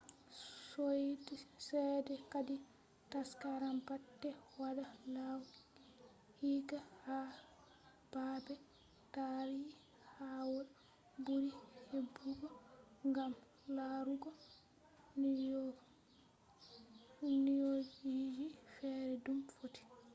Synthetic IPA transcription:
sojdsɛːdɛkadi | taskaɾambatːɛwaɗalaw | hiːɡaha | b̥aːbɛ | taɾi | hawɔl | buɾihebːuɡɔŋɡam | laːɾuɡɔ | nijɔ | nijɔd͡ʒjid͡ʒifɛːɾɛdumfoti̥

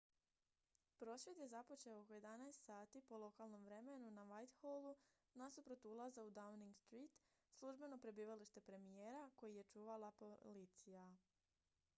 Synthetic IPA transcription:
pɾo̞sje̞d̪je̞zapo̞t͡ʃe̞okoje̞d̪anaest̪saːt̪ipo̞lˠo̞kalˠno̞mʋɾe̞menunaʋajt̪xolˠu | nasupɾo̞t̪ulˠazaud̪awniŋɡst̪ɾiːt̪ | slˠuʒbe̞no̞pɾe̞biːʋaliʃt̪e̞pɾe̞mijeːɾako̞jije̞t͡ʃuːʋalapolit̪sija

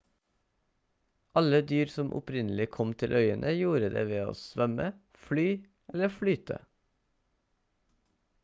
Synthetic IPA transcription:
ʔɑləd̪yːɾsɔmʔʊ̰pʰɾɪnl̩ɪkʰɔmt̪ʰɪlʔœʏənʔəjuːɾəd̪ḛːʋeːo̰ːsʋœmə | flyː | ɛləflyːt̪ʰə̰

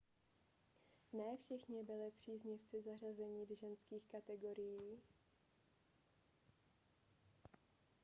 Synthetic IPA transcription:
nɛːfʃɛxɲɪbɪlɪpr̝̥iːzɲɪft͡sɪzar̝azɛɲiːdʒɛnskiːxkat̪ɛɡo̞ɾɪjiː

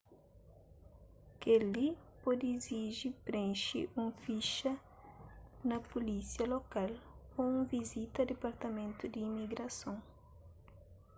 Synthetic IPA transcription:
kelipɔd̪iziʒipɾẽʃḭʔũfiʃɐ | nɐpulisjɐlokal | oũvizit̪ɐd̪epaɾt̪ɐmẽnt̪ʊd̪iːmiɡɾɐsõŋ

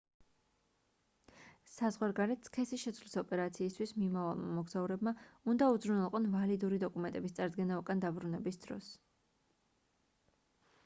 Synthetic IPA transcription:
sazʁwaɾɡaɾɛt̪skʰɛsiʃɛt̪sʰvlisɔpʼɛɾat̪sʰiːst̪ʰwismimava̰lˠma̰mɔɡz̥auɾɛbmaund̪aud̪zɾunɛlˠqʼɔnvalid̪uɾid̪ɔkʼumɛnt̪ʼɛbist̪sʼaɾd̪ɡɛnaɔkʼand̪abɾunɛbisd̪̥ɾɔ̰s

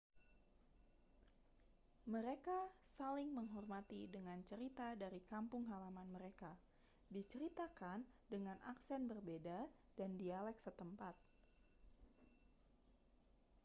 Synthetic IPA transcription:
məɾekasalɪŋməŋɦɔrmat̪idəŋant͡ʃəɾit̪adaɾikampʊŋɦalamanməɾeka | dit͡ʃəɾit̪akandəŋanʔaksɛnbərbedadandialɛk̚sət̪əmpat̪̚

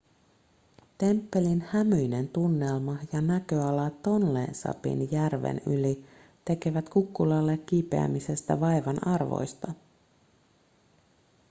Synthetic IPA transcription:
t̪e̞mpːe̞linhæmyjne̞nt̪unːe̞lmɑjɑnækø̞ɑlɑt̪o̞nlḛnsɑ̰pḭnjærʋḛnyli | t̪e̞ke̞ʋæt̪kukːulɑlːekːipe̞̰æ̰mise̞st̪æ̰ʋɑjʋɑnɑrʋo̞̰jst̪ɑ

